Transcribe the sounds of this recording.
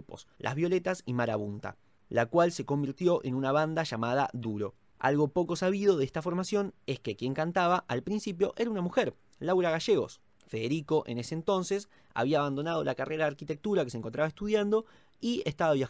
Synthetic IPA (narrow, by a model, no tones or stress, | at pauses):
uposlʔa̰zβjo̞le̞t̪asimaɾaβunt̪a̰ | lakwalse̞ko̞mbiɾt̪jo̞ʔenunaβand̪aʃamað̞a̰ðuɾo̞ | a̰lɣo̞po̞ko̞saβið̞o̞ðeest̪afo̞ɾmasjo̞neskekje̞ŋkant̪aβaʔalpɾinsipjo̞ʔe̞ɾaunamuxeɾ | lawɾaɣaʒeɣo̞̰s | feðeɾiko̞ʔḛneseːnt̪o̞nses | a̰βiaːβ̞and̪o̞nað̞o̞lʔakareɾaðaɾkit̪e̞k̚t̪uɾakeseŋkont̪ɾaβest̪uð̞jand̪o̞ | iest̪aβaβja